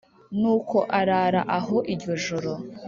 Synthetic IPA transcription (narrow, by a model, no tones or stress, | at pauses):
nuːko̞ʔaɾaːɾaʔaɦo̞ʔiɾɟo̞ʒoɾo̞